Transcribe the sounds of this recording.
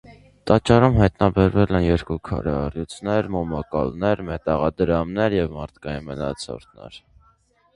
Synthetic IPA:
t̪ɑt͡ʃːɑɾumɦɑjt̪nɑbɛɾvɛlɛnjɛɾkukʰɑ̰ɾɛɑrjut͡sʰnɛɾmɔmɑkɑ̰lnɛɾmɛt̪ɑʁɑd̪əɾɑmnɛɾjɛvmɑɾt̪ʰkɑjinmənɑ̰t͡sʰɔ̰ɾt̪nɛ̰ɾ

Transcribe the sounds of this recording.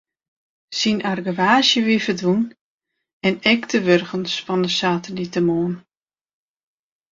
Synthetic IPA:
sinarɡəʋaːsjəʋifərdun | ɛnɛktʰəʋørɣənsfɔndəsaːtəlitəmoːn

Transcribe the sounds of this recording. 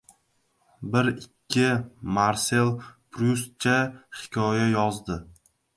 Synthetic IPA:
bɪɾɪkʲʰːɪmaɾselˠpʰɾus̚t͡ʃʰahɪ̥kʲʰɒjajɒzd̪ɪ

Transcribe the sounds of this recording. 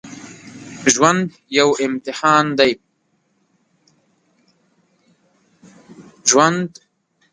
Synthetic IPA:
ʒwand̪ | jawɪmt̪ɪħɑːnd̪aj | ʒwand̪

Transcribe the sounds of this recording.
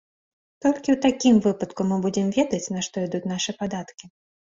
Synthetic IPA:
t̪ɔlʲkʲiwt̪akʲimvɨpɐt̪kumɨbud͡zʲɛmvʲɛd̪ɐt͡sʲnɐʂt̪ɔid̪ut͡sʲnaʂɨpad̪at̪kʲi

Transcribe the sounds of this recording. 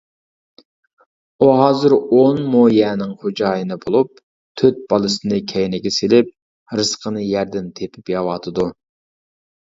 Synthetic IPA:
uɦɑːzɨɾonmojɛːnɪŋχod͡ʒɑːjɨnɨbolˠup̚ | t̪ʰøt̪̚b̥ɑlˠɨsɨnɨkʲʰɛjnɪɡʲɛselɪp̚ | ɾɨsqʰənɨjɛɾd̪ɪnt̪ʰepʰɪpjɑwɑt̪ʰɨd̪u

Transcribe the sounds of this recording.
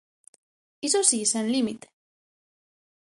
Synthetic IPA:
isosisenlimit̪

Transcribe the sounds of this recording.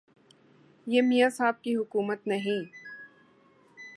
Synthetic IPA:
jeːmijasaːb̚kiɦʊkuːmət̪nɐɦĩ

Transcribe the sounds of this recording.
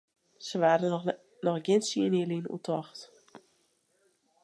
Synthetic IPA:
səʋaːdə | nɔxɡɪnsiəniəlinṵtʰɔxt

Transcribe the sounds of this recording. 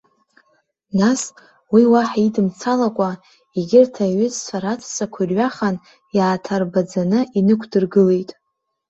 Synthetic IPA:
nas | wiwaħaidɨmt͡sʰalakʷʼa | iɡʲɪrtʰaɥʏzt͡ʃʷʰaɾatʰsakʷʰarɥaχan | jaːtʰarbad͡zanɨʔinɨkʷʰdɨrɡɨle̞jtʼ

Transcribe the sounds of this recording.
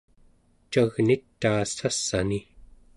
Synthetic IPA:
t͡ʃaɣnit̪ːaːsasːani

